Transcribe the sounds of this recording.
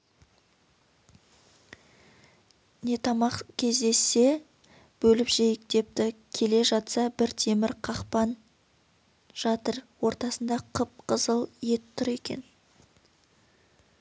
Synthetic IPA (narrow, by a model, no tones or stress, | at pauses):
ne̞t̪ʰɑmɑqkʲʰe̞zd̪e̞sːe̞ | b̥ɵlɪpʒejɪk̚d̪e̞p̚t̪ɪkʲʰe̞le̞ʒɑt̪sɑbɪɾt̪ʰe̞mɪɾqʰɑqpɑn | ʒ̥ɑt̪əɾwo̞ɾt̪ɑsənd̪ɑqʰəp̚qʰəzəlˠje̞t̪ʰːʊɾe̞kʲe̞̰n